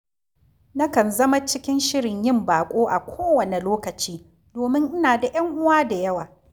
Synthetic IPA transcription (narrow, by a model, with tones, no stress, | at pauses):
nɐ˦kɐ˨nzɐ˦ma˦t͡ʃɪ˦kʲɪ˦nʃɪ˦ɽɪ˨ɲjɪ˦˨mbaː˨kʷʼoː˦ʔa˨kʷʰoː˦wɐ˨ne˨loː˦kɐ˨t͡ʃiː˦ | doː˨mɪ˦ŋʔɪ˦naː˨da˨jɐ˦ŋʔʊ˦waː˦da˨jɐ˦waː˨